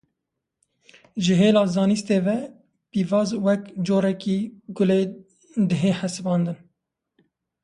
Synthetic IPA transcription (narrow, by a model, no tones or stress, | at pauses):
ʒɨɦeːlɑːzɑːnist̪eːvɛ | piːvɑːzwɛkd͡ʒoːɾɛkiːɡʊleː | d̪əɦeːħɛsɨbɑːnd̪ɨn